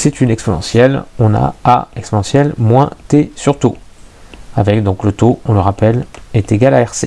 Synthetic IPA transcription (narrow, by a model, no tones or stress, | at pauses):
sɛt̪ynɛkspɔnɑ̰̃sjɛlɔ̃na̰a̰ɛkspɔnɑ̃sjɛlmwɛ̃t̪esyʁt̪o | avɛkd̪ɔ̃klət̪oɔ̃ləʁapɛlɛt̪eɡalaɛʁse